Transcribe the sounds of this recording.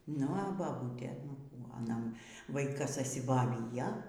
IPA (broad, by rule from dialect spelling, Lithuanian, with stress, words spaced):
ˈnʊ ɐ bɐˈbuːtʲeː nʊ ˈkuː ɐˈnɐ ˈʋɐɪkɐs ɐʃʲsʲɪboːˈʋʲiːjɛ